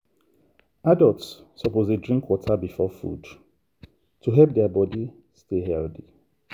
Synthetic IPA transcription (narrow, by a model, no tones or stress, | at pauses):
adəltsːɔpozedɹĩŋkʰwɔtʰabifɔfṵd̥ | tʰuɦɛlp̚dɛabɔdi | steɦɛlθi